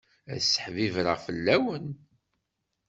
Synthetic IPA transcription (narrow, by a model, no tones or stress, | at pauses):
æ̰sə̥ħvivɾə̰ʁfəlːæwən